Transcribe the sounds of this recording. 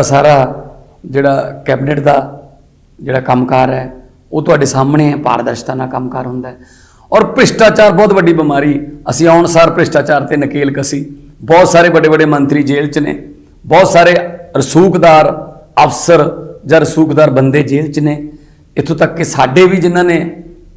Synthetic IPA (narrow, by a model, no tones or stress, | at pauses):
asaːɾaː | d͡ʒeːɽaːkɛːbɪnəʈd̪aː | d͡ʒeːɽaːkəmkəɾɛː | oːt̪ʊaːɖeːsaːmɳeːɛ̃ːpa̰ːɾd̪əɾʃt̪ãːnaːkəmkəɾɦʊ̃nd̪aːɦɛː | ɔːɾpɾɪsʈaːt͡ʃaːɾbɔːt̪bəɖiːbɪmaːɾiːəsĩːaːʊɳsaːɾpɾɪsʈaːt͡ʃaːɾt̪eːnəkeːlkəsiː | bɔːt̪saːɾeːbəɖeːbəɖeːmənt̪ɾiːd͡ʒeːlt͡ʃnḛː | bɔːt̪saːɾeːɾəsuːkd̪aːɾəfsəɾd͡ʒãːɾəsuːkd̪aːɾbənd̪eːd͡ʒeːlt͡ʃneː | ɪt̪ʰõːt̪əkːesaːɖeːʋiːd͡ʒɪnːãːneː